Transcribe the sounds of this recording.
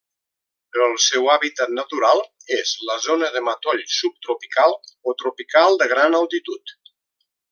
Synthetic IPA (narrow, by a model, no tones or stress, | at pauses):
pɾɔəlˠsɛwaβit̪at̪̚nət̪uɾalˠezləzonəðəmət̪ɔʎsup̚t̪ɾupikalˠot̪ɾupikalˠd̪əɣɾanəlˠt̪it̪ut̪